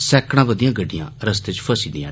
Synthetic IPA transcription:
sɛːkɽ̃ãːbəd̪ijãːɡəɖːijã̰ːɾəst̪eːt͡ʃpʰəsiːd̪ijã̰ː

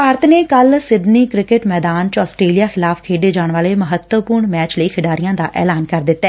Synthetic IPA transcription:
paːɾət̪neːkəlsɪɖniːkɾɪkɪʈmɛːd̪aːnt͡ʃɔːsʈɾeːlijaːxʰɪlaːfkʰeːɖeːd͡ʒaːɳ̃ʋaːleːməɦət̪wəpʊɾɳmɛːt͡ʃləiːkʰɪɖaːɾijãːd̪a̰ːʔɛ̰ːlaːnkəɾd̪ɪt̪ːɛː

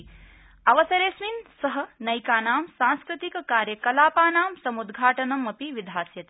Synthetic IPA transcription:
ɐʋɐsɐɾeːsminsɐɦɐ̆nɐjkaːnaːmsãːnskɾut̪ikɐkaːɾjɐkɐlaːpaːnaːmsɐmud̪ɡʱaːʈɐnɐmɐpiʋid̪ʱaːsjɐt̪i

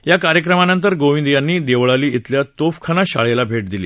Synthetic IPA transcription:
jakaɾjəkɾəmanənt̪̬əɾɡoʋĩnd̪janːiːd̪eʋɭaliːit̪ljat̪ofkʰanaɕa̰ɭelabʱeʈ̚d̪ilḭː

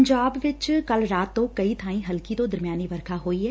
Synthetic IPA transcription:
ɲd͡ʒaːbʋɪt͡ʃkɐlɾaːt̪ːõkɐit̪ʰaːĩɦɐlkit̪od̪ɐɾmijaːniʋɐɾkʰaɦoːiɦɛː

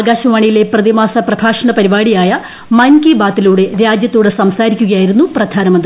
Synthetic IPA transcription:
ɡaːɕɐʋaːɳijile̞prɐðimaːsɐprɐɡʰʱaːʂɐɳɐpɐɾibaːɽijaːjɐ | mɐnkibaːt̪ːiluːɽe̞ɾaːd͡ʑjɐt̪ːuːɽesɐmsaːɾikʲːuɣɐjaːjiɾunːuprɐd̪ʱaːnɐmɐnd̪ɾ

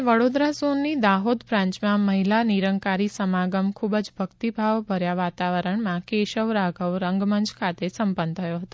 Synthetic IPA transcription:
ʋəɽod̪ɾasonːid̪aɦod̪bɾãɲt͡ʃmãməɦilaniɾəŋkaɾisəmaɡəmkʰubəd͡ʒbʱəkt̪ibʱaʋbʱəɾjaʋat̪aʋəɾəɳmãkeʃəʋɾaɡʱəʋɾəŋɡməɲd͡ʒkʰat̪esəmpənt̪ʰəjoɦət̪o

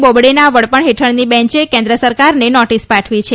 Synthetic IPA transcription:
bobɽenaʋəɭpəɳɦeʈʰəɳnibɛ̃ɲt͡ʃekẽnd̪ɾəsəɾkaɾnenɔʈispaʈʰʋit͡ʃʰe

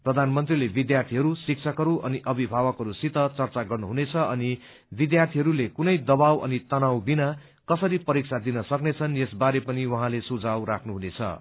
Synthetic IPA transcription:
prʌd̪ʱanmʌnt̪rilebid̪jart̪ʰiɦʌɾusik̚t͡sʰʌkɦʌɾuʔʌniʔʌbʱibʱawʌkɦʌɾusit̪ʌt͡sʌrt͡saɡʌrnuɦunet͡sʰʌʔʌni | bid̪jart̪ʰiɦʌɾulekunʌjd̪ʌbawʌ̰nit̪ʌnawbina | kʌsʌɾipʌɾik̚sʰad̪inʌsʌknet͡sʰʌnjesbaɾepʌniwʌɦãlesud͡zawɾakʰnuɦunet͡sʰʌ̰

